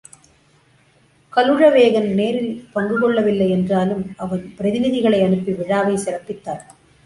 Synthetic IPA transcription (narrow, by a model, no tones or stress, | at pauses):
kɐlɯɻɐʋeːɣɐnneːɾɪlpɐŋɡɯɣɔɭːɐʋɪlːɐɪɛndraːlɯmʔɐʋɐnpɪɾɐðɪnɪðɪɣɐɭɐɪɐɳɯpːiʋɪɻaːʋɐɪsɪɾɐpːɪt̪ːaːɾ